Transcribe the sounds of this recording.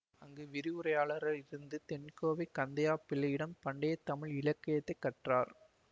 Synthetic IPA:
ɐŋɡeːʋɪɾɪɯɾɐjaːɭɐɾɐlɪɾɯnd̪ɯt̪ɛnkoːʋɐɪkɐnd̪ɐjaːpɪlɐjɪɽɐmpɐɳɖɐjɐt̪ɐmɪɭɪɭɐkːɐjɐt̪ːɐɪkːɐʈraːɾ

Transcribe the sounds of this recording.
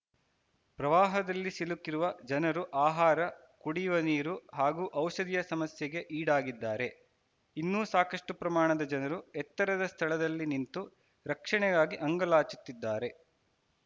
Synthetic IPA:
pɾɐʋaːɦɐd̪ɐlːisilukːiɾuʋɐd͡ʒɐnɐɾuʔaːɦaːɾɐ | kuɽiːʋɐniːɾuɦaːɡuːʔɐwʃɐd̪ijɐsɐmɐsjeɡe̞ʔiːɽaːɡid̪ːaːɾe̞ | inːuːsaːkɐʂʈupɾɐmaːɳɐd̪ɐd͡ʒɐnɐɾuɛt̪ːɐɾɐd̪ɐst̪ʰɐɭɐd̪ɐlːinint̪u | ɾɐkʂɐɳɛɡaːɡiʔɐŋɡɐlaːt͡ʃu̥t̪ːid̪ːaːɾe̞

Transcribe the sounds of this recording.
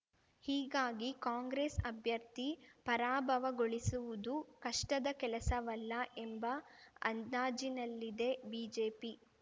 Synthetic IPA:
hiːɡaːɡikaːŋɡɾeːsɐbʱjɐɾt̪ipɐɾaːbʱɐʋɐɡoɭisuʋud̪ukɐʂʈɐd̪ɐkɛlɐsɐʋɐlːɐʔembɐɐ̰naːd͡ʒinɐlːid̪e̞biːd͡ʒeːpi

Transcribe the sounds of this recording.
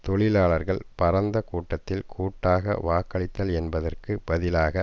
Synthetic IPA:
t̪ɔɭɪlaːɭɐɾɣɐɭpɐɾɐnd̪ɐkuːʈːɐt̪ːɪlkʰuːʈːaːɣɐ̰ʋaːkɐɭɪt̪ːɐlɛnbɐðɐrkɯbɐðɪlaːɣɐ

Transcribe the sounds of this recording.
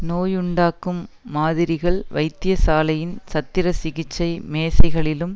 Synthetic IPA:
noːjʊɳɖaːkːɯmːaːðɪɾɪɣɐɭʋɐɪt̪ːɪjɐsaːlɐjɪnsɐt̪ːɪɾɐsɪɣɪt͡ʃːɐɪmeːsɐɪɣɐɭɪlɯm

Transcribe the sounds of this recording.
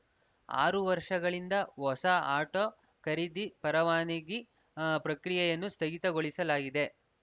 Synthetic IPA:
a̰ːɾuʋɐɾʂɐɡɐɭind̪ɐɦɔsɐaːʈoː | kɐɾid̪ipɐɾɐʋaːniɡi | pɾɐkɾijɐjɐnːust̪ɐɡit̪ɐɡoɭisɐlaːɡid̪e̞

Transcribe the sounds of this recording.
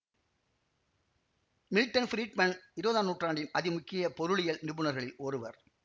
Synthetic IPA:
mɪlʈːɐnfɾiːʈmɐnɪɾɯbɐðaːnuːʈraːɳɖɪnɐðɪmʊkːɪjɐpɔɾɯɭɪjɐlnɪbɯɳɐɾɣɐɭɪlɔɾɯʋɐ̰ɾ

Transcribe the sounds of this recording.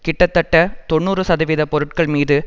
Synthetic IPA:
kɪʈːɐt̪ːɐʈːɐt̪ɔɳːuːrɯsɐðɐʋɪðɐpɔɾɯʈ̚kɐɭmiːðɯ

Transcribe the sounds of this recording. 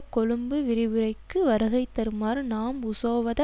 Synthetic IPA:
kɔɻɯmbɯʋɪɾɪʋɯɾɐɪkːɯʋɐɾɐɣɐɪt̪ːɐɾɯmaːɾnaːmʊsoːʋɐðɐ

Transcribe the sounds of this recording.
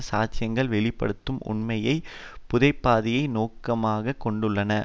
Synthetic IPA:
saːt͡ʃɪjɐŋɡɐɭʋɛɭɪpːɐ̰ɽɯt̪ːɯmʊ̰ɳmɐjɐɪpʊðɐɪpːaːðɪjɐɪnoːkːɐmaːɣɐkːɔɳɖɯɭːɐnɐ

